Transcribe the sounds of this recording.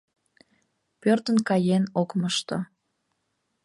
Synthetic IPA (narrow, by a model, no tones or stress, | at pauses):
pørt̪ə̆nkɑjenokməʃt̪o